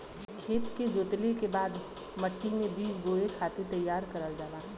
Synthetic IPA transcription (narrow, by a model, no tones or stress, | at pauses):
kʰeːt̪ked͡ʒoːt̪lekebaːd̪ | məʈːimẽbiːd͡ʒɡoːekʰaːt̪et̪ɐjːaːɾkɐɾəld͡ʒaːʋaː